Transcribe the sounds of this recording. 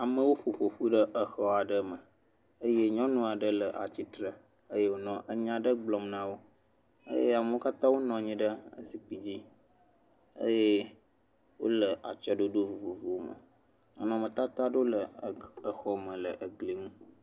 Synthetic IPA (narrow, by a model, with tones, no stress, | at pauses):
a˨mə̃˦wo˦ɸo˨ɸo˨ɸu˦ɖə˦ʔə˨xɔ˦a˨ɖə˦mə˨ | ə˦je˦ɲɔ̃˦nũ˦a˨ɖə˦lə˨ʔa̰˨t͡ɕi˦t̪ɾə˨ | ə˦je˦wo˦nɔ̃˦ʔə˦ɲã˦ɖə˦ɡ͡blɔ˨mnã˦wo˦ | ə̰˦je˦a˨mə˦wo˦ka˦t̪ã˦wo˦nɔ̃˨ɲĩ˦ɖə˦ə̰˦si˨pi˨d͡ʑi˦ | ə̰˦je˦ | wo̰˦lə˨ʔa̰˨t͡ʃɔ˦ɖo˦ɖo˦vu˨vu˨vu˨wo˦mə̰˨ | ɔ˦nɔ̃˨mə̃˨t̪a˦t̪a˦ɖo˦lə˨ə˨xɔ˦mə̃˨lə˨ʔə˨ɡle˨nũ˦